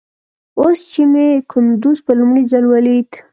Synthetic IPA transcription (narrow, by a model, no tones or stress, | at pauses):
ost͡ʃimekʊnd̪uzpəlʊmɽizalwalit̪